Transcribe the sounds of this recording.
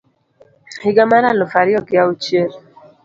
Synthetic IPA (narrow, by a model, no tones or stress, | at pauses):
hɪɡamaɾalɔfaɾɪɔɡɪaut͡ʃjel